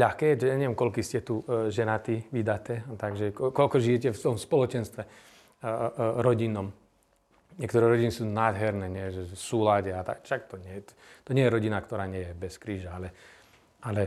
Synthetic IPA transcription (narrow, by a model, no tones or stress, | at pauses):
ʎaxkɛːɛt͡ʃɛjaɲɛʋjɛmkɔʎkiːscɛt̪uʒɛnat̪iʋid̪at̪ɛːat̪aɡʒɛkɔkɔlkɔʒijɛcɛft̪ɔmspɔlɔt͡ʃɛnst̪ʋɛ | ɾɔɟinɔm | ɲɪɛkt̪ɔɾɛːɾɔɟinisuːnaːd̪ɦɛɾnɛːɲɛʒɛfsuːlaɟɛat̪a̰kʃakt̪ɔɲɪɛjɛ | t̪ɔɲɪɛjɛɾɔɟinakt̪ɔɾaːɲɪɛjɛbɛskɾiːʒaalɛ | alɛ